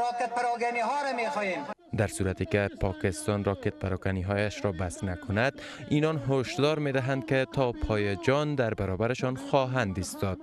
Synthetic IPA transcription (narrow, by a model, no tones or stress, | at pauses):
ɾɔket̪̚paɾɔɡaniɦɔːɾamexɔjem | d̪aɾsuɾat̪ekepʰɒkɪst̪ɒnɾɒket̪̚paɾɔɡaniɦɔjaʃɾɒbasnakʰʊnad̪ | inɒnɦoʃd̪ɒɾmed̪aɦand̪̚ket̪ʰɒpʰɒjed͡ʒɒnd̪aɾbaɾɔbaɾeʃɒnxɒɦand̪ist̪ɒd̪̥̚